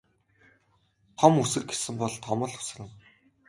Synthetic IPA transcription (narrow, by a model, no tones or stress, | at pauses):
t̪ʰɔmusɘ̆rɡe̥sɘ̆mpɔɮt̪ʰɔmə̆ɮʊ̥s̆rɘ̆w